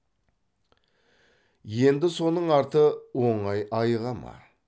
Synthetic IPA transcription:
je̞nd̪ɪso̞nəɴɑɾt̪əwo̞ɴɑjɑjəʁɑmɑ̰

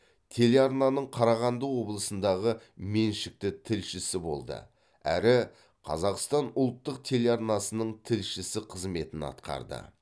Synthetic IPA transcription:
t̪ʰe̞leɑɾnɑnəɴqʰɑɾɑʁɑnd̪əwo̞blˠəsənd̪ɑʁəme̞nʃɪk̚t̪ɪt̪ʰɪlʃɪsɪbo̞̰lˠd̪ə̰ | æ̰ɾɪ | qʰɑ̰zɑqst̪ɑnʊlˠt̪ːəq̚t̪ʰe̞leɑɾnɑsənəɴt̪ʰɪlʃɪsɪqʰəzme̞t̪ɪnɑ̰t̪qɑ̰ɾd̪ə̰

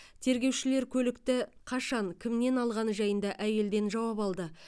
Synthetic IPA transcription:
t̪ʰe̞ɾɡʲe̞wʃɪle̞ɾkʲʰɵlɪkt̪ɪqʰɑʃɑŋkʲʰɪmne̞nɑlˠʁɑnəʒɑjənd̪ɑʔæje̞ld̪e̞nʒɑwɑpɑlˠd̪ə

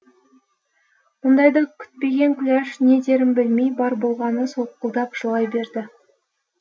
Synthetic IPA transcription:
mʊnd̪ɑjd̪ɑkʲʰʏ̥t̪̚pe̞ɡʲe̞ŋkʲʰʏlæʃne̞d̪e̞ɾɪmbɪlmejbɑɾbo̞lˠʁɑnəsot̪̚qːəlˠd̪ɑpʒ̥əlˠɑjbe̞ɾd̪ɪ

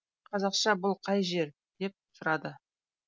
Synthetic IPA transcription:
qʰɑzɑqʃɑbʊlˠqʰɑjʒe̞ɾ | d̪̥e̞p̚sʊɾɑd̪ə

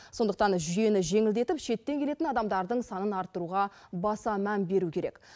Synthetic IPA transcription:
so̞nd̪əq̚t̪ɑnʒʏje̞nɪʒe̞ŋɪld̪e̞t̪ɪpʃe̞t̪ːe̞ŋkʰʲe̞le̞t̪ɪnɑd̪ɑmd̪ɑɾd̪əɴsɑnənɑɾt̪ːəɾuʁɑ | bɑsɑmænbe̞ɾukʲʰe̞ɾek

